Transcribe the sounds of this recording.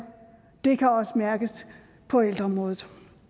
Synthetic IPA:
d̥e̝kʰæɒ̽səmæɐɡ̥əs | pʰɒ̽eld̥ʁɐɒ̽mʁɔ̽ːðð̩ˠ

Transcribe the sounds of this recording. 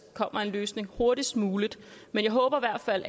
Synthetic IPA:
kʰɒ̽m̰ɐe̝nløːsne̝ŋho̝ɐɾ̥isd̥muːlid̥menjɑ̈ɪɦɔ̽ːb̥ɐiʋæɐ̰d̥fæl̰

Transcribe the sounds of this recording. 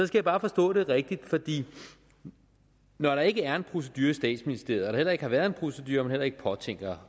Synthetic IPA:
sɒ̽skɡ̥æjɑ̈b̥ɑ̈ːfɒ̽sd̥ɔ̰̽ːɾ̥e̝ʁɛɡ̥̚d̥id̥fɒ̽d̥ḭː | nɒɾɑ̈e̝ɡ̥əæɐe̝npʰʁo̝s̬ed̥yːɐisd̥ɛ̰ːd̥sminisd̥e̝ɐ̰ð̩ˠɾ̥ɑhel̰ɐe̝ɡ̥əhɑ̈ʋæːɐðˠe̝npʰʁo̝sed̥yːɐɒmenel̰ɐe̝ɡ̥ə̥pʰɒ̽t͡sʰeŋ̰ɡ̥ɐ

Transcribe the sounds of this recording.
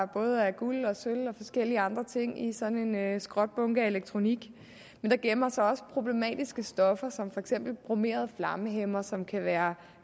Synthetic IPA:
b̥ɔ̽ːð̞ˠəæɡ̥ulɒ̽sølɒ̽fɒ̽sɡ̥el̰iəɑ̈nd̥ʁɐt͡sʰe̝ŋ̰isɒ̽ne̝nsɡ̥ʁɒ̽d̥̚b̥ɔ̽ŋɡ̥æe̝leɡ̥̚t͡sʰʁo̝niɡ̥ | mend̥ɑ̈ɡ̥emɐsɒ̽ɒ̽sə̥pʰʁo̝b̥le̝mɛ̰ːd̥isɡ̥əsd̥ɒ̽fɐsɒ̽mfɒ̽eɡ̥sem̰b̥l̩b̥ʁome̝̰ːɐð̞ˠflɑ̈məɦemɐsɒ̽mkʰæʋæːɐ

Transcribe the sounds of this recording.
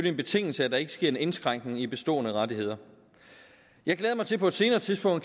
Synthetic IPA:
ølie̝nb̥e̝t͡sʰe̝ŋ̰l̩səæd̥ɑ̈e̝ɡ̥əsɡ̥e̝ɐ̰e̝ne̝nsɡ̥ʁaŋ̰ɡ̥ne̝ŋib̥e̝sd̥ɔ̰̽ːnəʁɑ̈die̝ð̞̰ˠɐ | jɑ̈ɪɡ̥leːðˠmɑt͡sʰe̝pʰɒ̽ed̥se̝ːnɐːt͡sʰiðˠsb̥ɔ̽ŋ̰d̚

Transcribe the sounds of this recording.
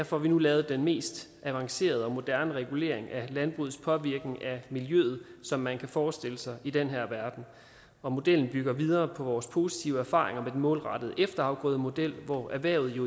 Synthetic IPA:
æɐfɒʋinulɛːʊð̞̩ˠəd̥enme̝̰ːsd̥ | ʔæʋɑ̈ŋse̝̰ːɐð̞ˠɒ̽mo̝d̥æɐnəʁɛɡ̥ule̝̰ɐe̝ŋælænb̥ʁṵːð̩ˠspʰɒ̽ʋiɐɡ̥neŋʔæmiljø̰ːð̞̩ˠsɒ̽mːænkʰæfɒːsd̥e̝ləsɑ̈ɪʔid̥enɦæɐ̰ʋæɐd̥n̩ | ɒ̽mo̝d̥el̰n̩b̥yɡ̥ɐʋið̞ˠɐːpʰɒ̽ʋɒːspʰo̝ːsi̥t͡sʰiʊəæɐfɑ̰̈ːʁeŋɐmed̥en̩mɔ̽ːlʁɑ̈d̥əð̞̩ˠəʔefd̥ɐhɑ̈ʊɡ̥ɔ̰̽ːðˠəmo̝d̥el̰ʋɒæɐʋæɐʊð̩ˠjo

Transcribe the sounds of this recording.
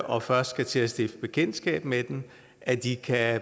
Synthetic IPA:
ʔɒ̽fɶɐsd̥sɡ̥æt͡sʰe̝æsd̥efb̥e̝kʰen̰dsɡ̥ɛ̰ːb̥med̥em | ʔæd̥ikʰæ

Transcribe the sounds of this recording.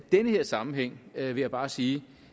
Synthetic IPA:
d̥enəheɐ̰sɑ̈mm̩ɦeŋ̰ʋe̝jɑ̈b̥ɑ̈ːsiː

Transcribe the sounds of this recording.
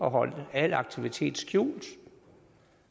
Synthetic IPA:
ɒ̽ɦɒ̽l̰d̥ælɑ̈ɡ̥̚t͡sʰiʋit͡sʰe̝̰ːd̥skʰjṵːld̥

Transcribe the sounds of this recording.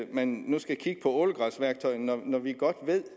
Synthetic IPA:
menːusɡ̥æjikʰiɡ̥ə̥pʰɒ̽oləɡ̥ʁɑ̈sʋæɐɡ̥̚t͡sʰɒ̽ɪnɒnɒʋiɡ̥ɒ̽d̥ʋe̝ð̰ˠ

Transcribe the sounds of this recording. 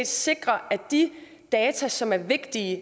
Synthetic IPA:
d̥se̝ɡ̥ʁɐæd̥i | d̥ɛːt͡sʰæsɒ̽mæɐʋe̝ɡ̥d̥iə

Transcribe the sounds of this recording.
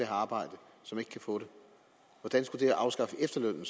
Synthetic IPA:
eɦæɑ̈ːb̥ɑ̈ɪ̰d̥ə | sɒ̽me̝ɡ̥ə̥kʰæfɔ̰̽ːɾe | ʋɒd̥ænsɡ̥ud̥e̝ʔɑ̈ʊsɡ̥ɑ̈fəʔefd̥ɐløn̰l̩s

